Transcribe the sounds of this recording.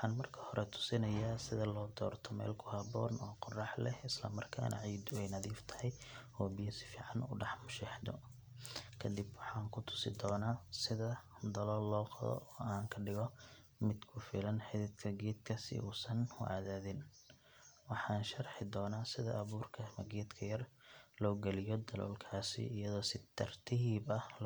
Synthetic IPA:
wħɑːnmɐrkʰɐ̥hɔɾʔɛt̪ʰʊ̥sɪnɐjaːsɪðɐlɔːd̪ɔ̰ːrt̪ʰɔmɛ̰ːlkʰʊhɐβɔ̰ːnɔːqʊrɑħlɛhɪslɐmɐrkʰa̰ːnɐ̰ʕiːd̪ʊɛjnɐðiːft̪ʰɐ̥hɛjɔːbijɐsɪ̥fiːʕɑnʊ̰ːɖɛħmʊʃɛħd̪ɔ̰ | kʰɐd̪ibwɑħɑːŋkʰʊt̪ʰʊ̥sɪd̪ɔːnaːsɪðɐ | d̪ɐlɔːlːɔːqɑðɔ̰ɔːaːŋkʰɐɖɪɣɔ | mɪd̪kʰʊfɪ̰lɐnħɪðɪd̪kʰɐɡɛːd̪kʰɐsɪ̰ʔuːsɐnʊ̰ʔa̰ːðaːðɪn | wɑħɑːnʃɐrħɪd̪ɔːnaːsɪðɐ̰ʔɐβuːrkʰɐmɐɡɛːd̪kʰɐjɐrlɔːɡɛlɪjɔd̪ɐlɔ̰ːlkʰaːsɪ̰ɪjɐðɔːsɪt̪ʰɐrt̪ʰɪɦiːbɐl

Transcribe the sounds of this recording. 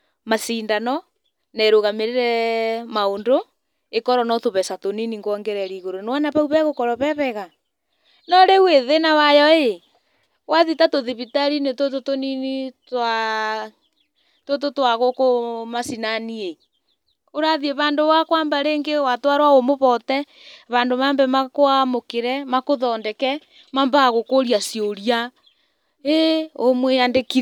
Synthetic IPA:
masiːndanɔ | naeɾoɣameɾeɾɛmaondo | ekɔɾɔnɔtoβɛsatoniniŋɡɔŋɡɛɾɛɾiɣoɾonwanaβauβɛɣokɔɾɔβɛβɛɣa | nɔɾeweðenawajɔe | waðitatoðiβitaɾinetototoninita | tot̬otwaɣokomasinanie | oɾaðieβaːndoβakwaːmbaɾeːŋɡewatwaɾwaomoβɔtɛ | βandomaːmbɛmakoamokeɾɛmakoðɔːndɛkɛ | mambaːɣokoɾiasioɾia | eomweandeki

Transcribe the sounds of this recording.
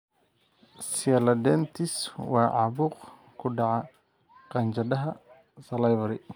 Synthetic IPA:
sɪɐlɐd̪ɛnt̪ʰɪswɑːʕɑβuːq | kʰʊɖɑʕɑ | qɑnt͡ʃɐd̪ɐɦɐ | sɐlɛjβɐɾɪ

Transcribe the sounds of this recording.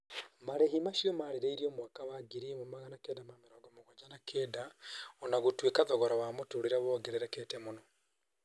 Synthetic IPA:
maɾehimaʃiɔmaɾeɾeiɾiɔmwakawaɡiɾimomaɣanakɛdamameɾɔɡɔmoɣɔd͡ʒanakʰɛːdaɔnaɣotwekaðɔɣɔɾɔwamotoɾeɾaβɔɡɛɾɛɾɛkɛtɛmonɔ

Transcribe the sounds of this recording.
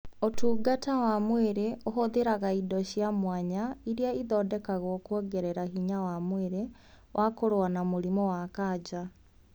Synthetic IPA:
otuːɡatawamweɾeʔoɦoðeɾaɣaidɔɕjamwaɲaiɾiaiðɔːdɛkaɣɔkwɔɡɛɾɛɾaɦiɲawamweɾe | wʔakoɾoanamoɾimɔwakaːd͡ʑa

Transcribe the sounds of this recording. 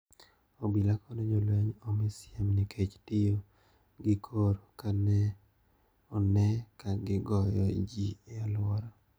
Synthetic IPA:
obilakɔnɔd͡ʒolwɛɲomɪsɪamnɪkʰet͡ʃtɪjo | ɡɪkʰoɾkanɛ | ɔnɛkaɡɪɡɔjɔd͡ʒialwɔɾɔ

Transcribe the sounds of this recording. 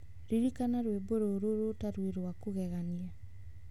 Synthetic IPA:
ɾiɾikanaɾweboɾoɾoɾotaɾweɾwakoɣɛɣania

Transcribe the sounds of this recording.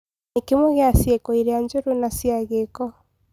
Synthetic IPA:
nekemwɛɣeasjekoiɾeaɲd͡ʒoɾonasjaɣekɔ

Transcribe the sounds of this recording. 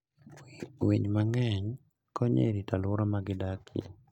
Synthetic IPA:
wiɲmaŋɛɲ | kɔɲḛɾitalʊɾamaɡɪdakɪḛ

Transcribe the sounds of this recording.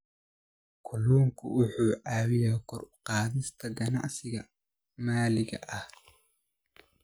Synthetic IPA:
kʰɔlɔːŋkʰʊʔʊħuːʕɑːwɪjaːkʰɔrqɑːðɪst̪ʰɐɡɐnɑ̰ʕsɪɣɐ | maːlɪɣɐ̰ʔɐh

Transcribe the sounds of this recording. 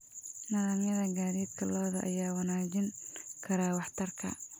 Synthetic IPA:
nɐðaːmjɐðɐɡaːðiːd̪kʰɐlɔːðɐʔɐjaːwɑnaːd͡ʒɪŋkʰɐɾaːwɑħt̪ʰɐrkʰɐ̰

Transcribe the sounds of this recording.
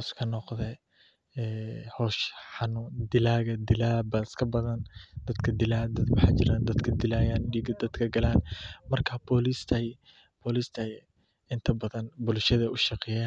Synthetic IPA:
skʰɐnɔqðɛ | ɛːhɔːʃħɑnʊd̪ɪlaːɣɐd̪ɪlaːbɐskʰɐbɐðɐnd̪̥ɐd̪kʰɐd̪ɪlaːd̪ɐwɑħɑ̰ːt͡ʃɪɾaːnd̪ɐd̪kʰɐd̪ɪlaːjaːnɖiːɡɐd̪ɐd̪kʰɐɡɐlaːnmɐrkʰɐbɔlist̪ʰɐj | b̥ɔːliːst̪ʰɐ | ɪnt̪ʰɐbɐðɐnbʊlʃɐðɐʔʊʃɑqɛjaːn

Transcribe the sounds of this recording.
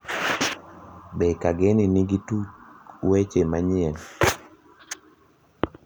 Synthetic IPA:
bɛkaɡeniniɡitut͡ʃwet͡ʃemaɲɛl

